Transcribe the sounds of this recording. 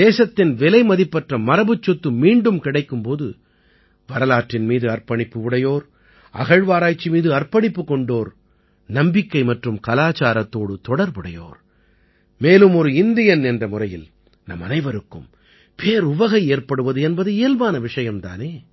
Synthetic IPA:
d̪eːsɐt̪ːɪnʋɛlɐɪmɐðɪpːɐʈrɐmɐɾɐbɯt͡ʃːɔt̪ːɯmiːɳɖɯmkɪɽɐɪkːɯmpoːðɯ | ʋɐɾɐlaːʈrɪnmiːðɯɐrpɐɳɪpːɯʋɪɽɐjoːɾ | ʔɐ̰ɣɐɻʋaːɾaːt͡ʃːimiːðɯɐrpɐɽɪpːɯkːɔɳɖoːɾ | nɐmbɪkːɐɪmɐʈrɯmkɐlaːt͡ʃaːɾɐt̪ːoːɽɯt̪ɔɽɐɾbɯɽɐjo̰ːɾ | meːlɯmɔɾɯɪnd̪ɪjɐnɛndrɐmʊrɐjɪ̰l | nɐ̰mːɐ̰nɐɪʋɐɾɯkːɯ̰m | pʰeːɾʊʋɐɣɐɪeːrpɐɽɯʋɐðɯɛnbɐðɯeːlʋaːnɐʋɪʂɐjɐmt̪a̰ːneː

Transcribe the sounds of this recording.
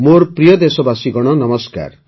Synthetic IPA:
moɾpɾijɔd̪esɔbasiɡɔɽ̃ɔnʌmɔska̰ɾ

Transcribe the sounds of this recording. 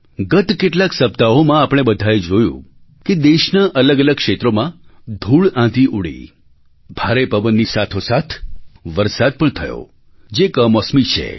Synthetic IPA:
ɡət̪keʈlaksəp̚t̪aomãapɽ̃ebəd̪ʱaed͡ʒojṵ̃ | ked̪eʃnaʔələɡələɡ̚kʃet̪ɾomãd̪ʱuɭãd̪iʔuɽḭ | bʱaɾepəʋənːisat̪ʰosat̪ʰʋəɾsad̪̚pəɳt̪ʰəjo̰ | d͡ʒekəmɔsmit͡ʃʰḛ

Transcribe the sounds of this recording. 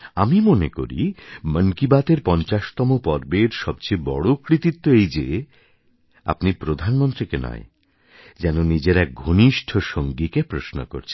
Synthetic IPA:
amimoneko̰ɾḭmənkibat̪eɾpɔnt͡ɕaʃt̪ɔmopɔɾbeɾʃɔbt͡ɕebɔ̰ɽokɾit̪it̪ːoejd͡ʑḛ | a̰pnipɾod̪ʱanmont̪ɾikenɔ̰e | d͡ʑɛnonid͡ʑeɾɛk̚ɡʱuniʃʈʰoʃoŋɡikepɾoʃno̰ko̰ɾt͡ɕʰe

